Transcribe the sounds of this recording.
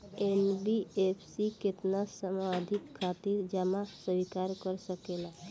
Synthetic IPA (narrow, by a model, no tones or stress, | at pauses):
enbiepʰsikɪt̪nasəmad̪ʱikʰːat̪iɾd͡ʒamãsəʋikaɾkəɾsəkela